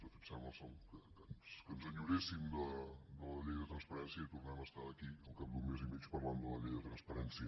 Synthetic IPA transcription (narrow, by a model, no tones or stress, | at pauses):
d̪əfiksɛməsɔkəkənskənzəɲuɾesimd̪əd̪ələʎejðət̪ɾənspəɾɛnsiəit̪urnɛməst̪aðəkiəlˠkap̚d̪unmezimit͡ʃpərland̪ələʎejðət̪ɾənspəɾɛnsiə